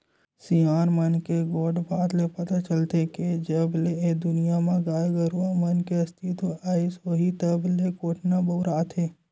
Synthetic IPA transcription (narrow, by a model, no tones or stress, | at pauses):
siaːɾmənkeɡoːɖbaːt̪lepɐt̪at͡ʃəlt̪eked͡ʒɐbleed̪ʊnijamãɡaːjeɡəɾamɐnkeɐst̪it̪oaːisoɦit̪əblekoːʈʰnabəːɾaːt̪ʰeː